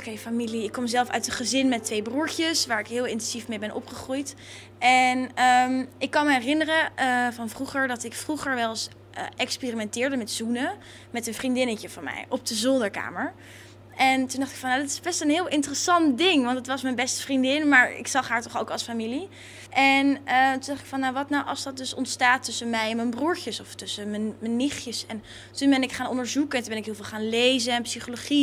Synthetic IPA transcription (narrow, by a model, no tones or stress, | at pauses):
kejfamiliɪkːɔmzɛlˠfœ̰ɥtəχəzɪnmɛtʋejbruɹtəsʋaːɹɪkɦɪːlˠɪntɛnz̥ifmejbɛnʔɔ̰pχəχrujt | ɛnəmɪkːɑnməɦɛrɪnərəəvɑnvruχəɹdɑtɪkfruχəɹʋɛlˠs | ʔʔɛkspeːrimɛntɪːɹdəmɛtzunə | mɛtənvrindɪnəcəvɑnmɛ̰jɔb̚dəzɔndəɹka̰ːməɹ | ʔɛntundɑχtɪkfɑnjadɪtɪ̥zbɛstənɦɪːlˠʔɪntərəsɑntdɪŋʋɑntdətʋɑsmɛnbɛstə̥vrindɪnmaːɹɪ̰ksɑχɦaːɹtɔχowkɑlˠsfamili | ʔɛnətundɑχtɪ̥kfɑnːawʋɑtnawʔɑ̰lˠsdɑt̚dɵsɔ̰ntstaːtːɵsənmɛjɛnmənbruːɹcəsɔftɵsəmənmənːɪχjəsɛn | tunbɛnɪkχaːnɔ̰ndəɹzukɛntunmbɛnɪkɦɪːlˠvɪːlχaːnlejzəɛnpsiχoloχi